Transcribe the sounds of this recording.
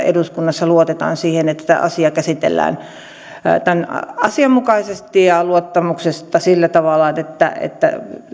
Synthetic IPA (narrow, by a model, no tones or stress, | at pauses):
ḛduskunːɑsːɑluot̪et̪ɑ̰ːnsiːhenet̪ːæ̥t̪æ̰ʔɑ̰siɑkæsit̪ḛlːæ̰ːn | t̪ænɑsiɑmmukɑisest̪ijɑluot̪ːɑmuksest̪ɑsilːæt̪ɑʋɑlːˑɑet̪ːæ̰ḛt̪ːæ̰